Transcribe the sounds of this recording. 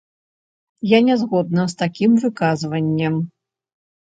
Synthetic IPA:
janʲɛzɣɔd̪̚nɐst̪akʲimvɨkazvɐnʲːɛm

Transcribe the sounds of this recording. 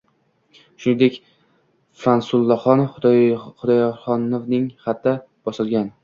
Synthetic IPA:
ʃʊnɪd̪ekʲ | fansʊlˠːaχɒnχʊd̪ɒjχɒnovnɪŋχat̪ːa | b̥ɒsɪlˠɡʲan

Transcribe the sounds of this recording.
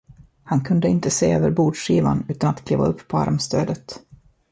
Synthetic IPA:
hankʰɵnd̪əɪnt̪əseːøːvəɾbuːɖʂiːva̰nʉ̟ːt̪anat̪kʰliːva̰ɵpːpʰɔa̰ɾmst̪øːd̪ət̪

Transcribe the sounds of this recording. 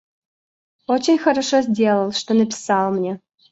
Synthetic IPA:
ot͡ɕenʲxəɾɐʂozʲdʲelˠəlˠʂt̪onəpʲɪ̥sɑlˠmnʲe

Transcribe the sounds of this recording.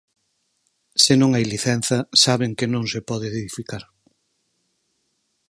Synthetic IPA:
sɪnõŋajliθɛn̟θɐsaβeŋkɪnõŋsepɔðɪðeðifikaɾ

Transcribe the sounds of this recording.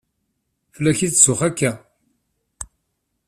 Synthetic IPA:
fəlːæçisʊχækːæ

